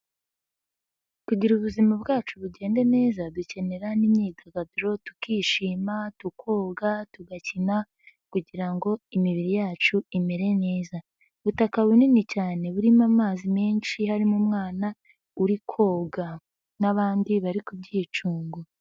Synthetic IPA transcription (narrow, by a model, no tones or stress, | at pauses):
kuɟiɾuβuzimabɡaːt͡ʃuβuɟe̞ːnde̞ne̞ːzaduce̞ne̞ɾanimɲiːɡaɡabiɾo̞tu̥kiːʃiːmatukʰo̞ːɡatuɡacina | kuɟiɾaŋɡo̞imiβiɾijaːt͡ʃuime̞ɾe̞ne̞ːza | βutakawininicaːne̞βuɾimamaːzimeːnʃihaɾimumŋaːna | uɾikʰo̞ːɡa | naβaːndiβaɾikubɟiːt͡ʃuːŋɡo